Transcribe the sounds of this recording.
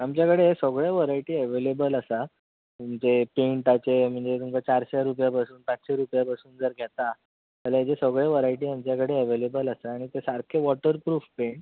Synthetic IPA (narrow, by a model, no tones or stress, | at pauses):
amt͡ɕjakəɽesəɡɭjeʋəɾaiʈiːəʋelebələsa | umd͡zepeɳʈ̪at͡sem̤əɳd͡zet̪umkat͡ɕaɾɕaɾupjapasuːnpat͡sɕeɾupjapasuːnd͡zəɾɡʱet̪a | təlajat͡ɕesəɡɭeʋəɾaiʈ̬iːamt͡ɕjakəɽeəʋelebələsaaɽ̃it̪esaɾkʰeʋɔʈəɾpɾuːfpeɳʈ